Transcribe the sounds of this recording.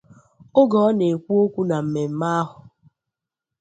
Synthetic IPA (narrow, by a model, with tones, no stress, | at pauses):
o˦ɡɔ˨ɔ˦ne˨kʷu˦o˦kʷu˦na˨m̩˨me˨m̩˦ma˦a˦ɦʊ˨